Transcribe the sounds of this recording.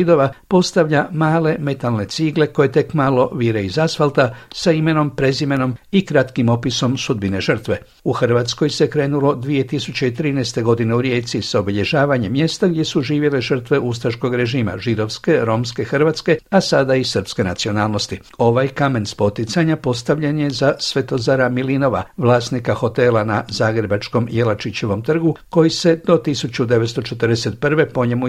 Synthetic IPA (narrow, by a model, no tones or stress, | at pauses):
id̪o̞ʋapo̞st̪aʋʎamaːle̞me̞t̪alne̞t̪siɡle̞ko̞je̞t̪e̞kmalo̞ʋiːɾe̞izasfalt̪asaime̞no̞mpɾe̞zime̞no̞mikɾat̪kimo̞piso̞msud̪bine̞ʒər̩t̪ʋe̞ | uxr̩ʋat̪sko̞jse̞kɾe̞ːnulo̞d̪ʋije̞t̪isut͡ɕe̞it̪ɾiːnɛːst̪e̞ɡo̞d̪ine̞uɾje̞ːt̪sisaobiʎe̞ʒaːʋaɲemːje̞st̪aɡd̪ʲje̞suʒiːʋje̞le̞ʒər̩t̪ʋe̞ʔust̪ɾaʃko̞ɡɾe̞ʒiːma̰ʒid̪o̞ʋske̞ɾo̞mske̞xr̩ʋat̪ske̞asad̪aisər̩pske̞nat̪sio̞naːlˠno̞st̪i | o̞ʋajkame̞nspo̞t̪it̪saɲapo̞st̪aʋʎenje̞zasʋe̞t̪o̞zaɾamilino̞ʋa̰ʋlˠaːsnikaxo̞t̪e̞lˠanazaːɡɾe̞bat͡ʃko̞mje̞lat͡ʃit͡ɕe̞ʋo̞mt̪r̩ɡuko̞jise̞d̪o̞t̪isut͡ɕud̪e̞ʋet̪st̪o̞t͡ʃe̞t̪ər̩d̪ese̞t̪̚pr̩ʋe̞po̞ɲe̞mu